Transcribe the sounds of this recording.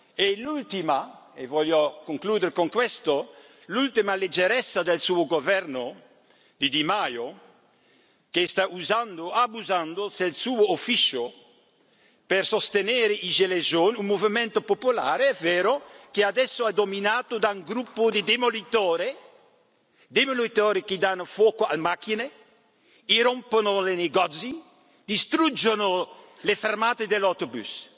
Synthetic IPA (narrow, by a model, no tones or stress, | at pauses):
elult̪imaevɔljokoŋkluːd̪eɾkoŋkwɛst̪o | lult̪imaled͡ʒːeɾɛsːad̪elsuːoɡovɛrno | d̪id̪imajo | kest̪auzand̪oabuzand̪oselsuːoːfit͡ʃo | persost̪enɛːɾeʔiʒelezoːnumːovimɛnt̪opopula̰ːɾeɛveːɾokead̪ɛsːoɛd̪ominaːt̪od̪auŋɡɾupːʊd̪ɪd̪emolit̪ɔːɾe | d̪emolit̪ɔːɾekid̪anːofwɔːkoa̰lmakine | iɾomponoleneɡɔt̪si | d̪̥ist̪ɾud͡ʒːono | lefermaːt̪ed̪elat̪obṵs